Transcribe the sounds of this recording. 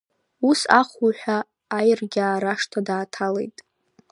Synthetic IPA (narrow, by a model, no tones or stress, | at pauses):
usa̰χuħʷᶣaː | jrɡʲaːɾaʂtʰadaːtʰalḛjtʼ